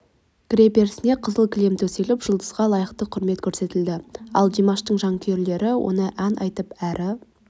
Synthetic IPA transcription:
ɡ̥ɾepe̞ɾsɪne̞qʰəzəlˠkʲʰɪlemt̪ʰɵselɪpʒ̥əlˠd̪əzʁɑlˠɑjəqt̪əqʰʊɾme̞t̪kʰʲɵɾse̞t̪ɪld̪ɪɑ̰lˠd̪imɑʃt̪əɴʒɑŋkʲʰeɾle̞ɾɪwo̰nəʔænʔɑjt̪əpæɾʔɪ

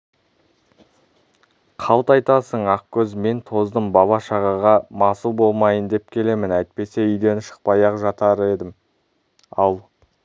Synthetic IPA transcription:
qʰɑlˠt̪ɑjt̪ɑsəɴɑq̚kʲʰɵzme̞nt̪ʰo̞zd̪əmbɑβɑʃɑʁɑʁɑmɑsubo̞lˠmɑjənd̪e̞p̚kʲʰe̞le̞mɪnæjt̪̚pe̞se̞ʏjd̪e̞nɪʃə̥q̚pɑjɑqʒɑt̪ɑɾəe̞d̪ɪm | ɑlˠ

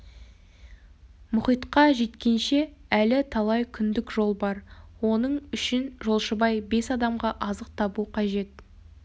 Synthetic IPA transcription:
mʊχijt̪qɑʒe̞t̪kʲe̞nʃe̞ælɪt̪ʰɑlˠɑjkʲʰʏnd̪ɪkʒo̞lˠbɑɾwo̞nəɴʏʃɪnʒo̞lˠʃəbɑjbe̞sɑd̪ɑmʁɑʔɑzəq̚t̪ʰɑbuqʰɑʒe̞t̪̚

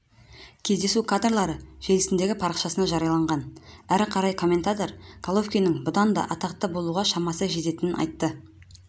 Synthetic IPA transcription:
kʲʰe̞zd̪e̞sukʰad̪rlˠɑɾəʒe̞lɪsɪnd̪e̞ɡʲɪpʰɑɾəqʃɑsənɑʒɑɾijɑlˠɑɴʁɑnæɾqʰɑɾɑjkʰo̞mːe̞nt̪at̪o̞ɾkʰalˠofkʲijnɪŋbʊd̪ɑnd̪ɑ̰ʔɑt̪ɑqt̪ːɑbo̞lˠuʁɑʃɑmɑsəʒe̞t̪e̞t̪ɪnɪnʔɑ̰jt̪ːə

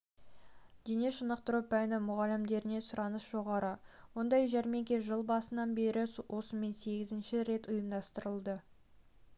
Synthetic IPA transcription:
d̪̥eneʃənəqt̪əɾupænɪmʊʁɑlɪmd̪e̞ɾɪne̞sʊɾɑnəsʒ̥o̞ʁɑɾəwo̞nd̪ɑjʒæɾme̞ŋkʲe̞ʒəlˠbɑsənɑnbe̞ɾʔɪwʔo̞səme̞nse̞ɡʲɪzɪnʃɪɾe̞t̪ʊjəmd̪ɑst̪əɾəlˠd̪ə

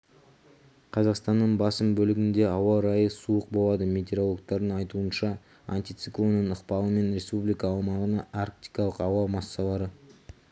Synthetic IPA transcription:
qʰɑzɑqst̪ɑnːəɴbɑsəmbɵlɪɡʲɪnd̪e̞ɑwɑɾɑjəsuəq̚bo̞lˠɑd̪əme̞t̪e̞ɾo̞lˠok̚t̪ɑɾd̪əɴɑjt̪uənʃɑ | a̰nt̪ijt̪sɨklˠo̞nːəɴəqpɑlˠəme̞nɾe̞spublijkɑːlˠmɑʁənɑaɾk̚t̪ijkɑlˠəqɑwɑmɑsːɑlˠɑɾə

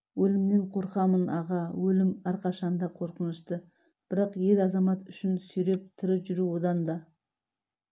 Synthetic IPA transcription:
wɵlɪmneɴqʰo̞ɾqɑmənɑʁɑwɵlɪmæɾqʰɑʃɑnd̪ɑqʰo̞ɾqənəst̪ə | b̥ɪɾɑqje̞lɑzɑmɑt̪ʏʃɪnsʏjɾe̞p̚t̪ʰɪɾɪʒʏɾuwo̞d̪ɑnd̪ɑ

